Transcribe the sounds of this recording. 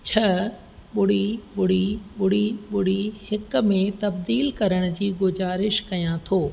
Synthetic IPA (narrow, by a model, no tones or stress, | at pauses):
t͡ɕʰɐ | ɓʊɽiɓʊɽ̤iɓʊɽ̤iɓʊɽ̤ihɪk̆mẽt̪ɐbd̪iːlkɐɾəɽ̃ʊ̆d͡ʑiːɡʊzaːɾɪʃkɐjãt̪ʰoː